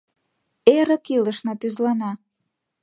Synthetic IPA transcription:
eɾə̆kiləʃnɑt̪yzlɑnɑ

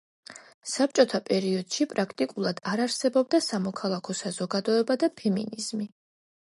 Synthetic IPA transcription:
sap̚t͡ʃʼɔt̪ʰapʼɛɾiɔd̪̥ʃipʼɾakʰt̪ʼikʼulˠad̪aɾaɾsɛbɔb̚d̪asamɔkʰalˠakʰɔsazɔɡad̪ɔɛbad̪apʰɛminiz̥mi

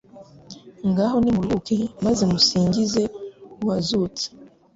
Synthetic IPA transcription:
ŋɡaɦo̞nimulukemazemusiːŋɟize̞uwazut͡se̥

